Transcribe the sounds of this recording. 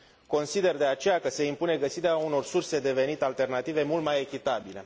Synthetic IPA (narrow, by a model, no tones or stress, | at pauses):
ko̞nsid̪e̞rd̪e̞at͡ʃe̞jakəse̞impune̞ɡəsiɾeauno̞rsurse̞d̪e̞ve̞nit̪alt̪e̞rnat̪ive̞mult̪majekʲit̪abile̞̰